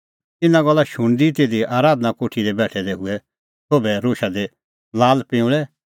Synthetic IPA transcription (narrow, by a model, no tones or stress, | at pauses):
t̪ɪnãɡɔlːaʃʊɽ̃d̪it̪eːd̪iʔaːɾaːd̪ənakoːʈʰid̪ɛbɛːʈʰɛd̪ɛɦʊɛ | t̪ʰoːbɛɾoːʃad̪ɛ | laːlpɪ̃ʊ̃ɭɛ